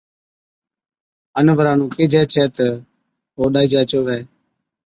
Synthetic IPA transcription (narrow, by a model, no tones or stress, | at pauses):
ənʋəɾãːnũːkɪd͡ʒɛːt͡ʃʰɛːt̪ə | ɦoːɗaːiːd͡ʒaːt͡ʃoːʋɛː